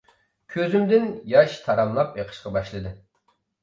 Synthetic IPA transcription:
kʲʰøzymd̪ɪnjɑʃt̪ʰɑɾɑmlˠɑpeqʰə̥ʃqɑbɑʃlˠɨd̪ɨ

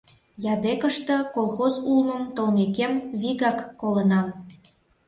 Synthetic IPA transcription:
jɑd̪ekəʃt̪ɤ̆kolˠxozulmə̆mt̪ə̆lmekemβiɣɑkːolənɑm

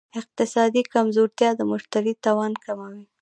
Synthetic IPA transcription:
ɪq̚t̪ɪsɑd̪ikamzoɾt̪jɑd̪əmʊʃt̪aɾit̪ɑwɑnkamawi

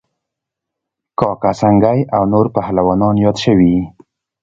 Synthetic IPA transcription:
kɑkasaŋɡajawnoɾpahlawɑnɑnjɑd̪ʃəwi

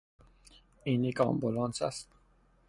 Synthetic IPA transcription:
inikɑ̰mbulɑnsa̰st̪

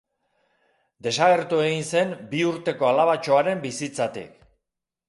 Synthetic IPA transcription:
d̪e̞saɣe̞ɾt̪ue̞ɣinse̞nbiuɾt̪e̞ko̞alaβat͡ʃo̞aɾe̞mbisit͡sat̪ḭk

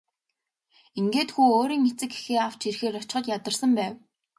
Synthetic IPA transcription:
iŋɡeːt̪xuːoːɾiːŋet͡sɘ̆ke̥xeːaw̥t͡ɕirxeːɾɔt͡ɕ̆χə̆t̪jat̪ə̆rsə̆mpæːw

